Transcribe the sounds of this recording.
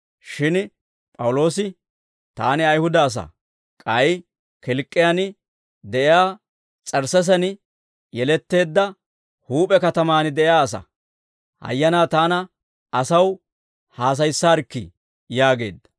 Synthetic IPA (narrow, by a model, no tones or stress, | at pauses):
ʃɪn | pʼɐwʊlo̞ːsɪ | t̪aːnɪɐjhʊd̪ɐːs̬ɐ̰ | kʼɐj | kɪlkʼːɪjan | d̪ɛʔɪjaː | t͡sʼɐɾsɛs̬ɐnɪ | jɛlɛt̪ːe̞ːd̪ːɐ | huːpʼɛkɐt̪ɐmaːnɪd̪ɛjaːɐs̬ɐ̰ | hɐ̰jːɐnaːt̪aːnɐ | ɐsɐw | haːs̬ɐjsːaːɾkːɪ̰ | jaːɡe̞ːd̪ːɐ̥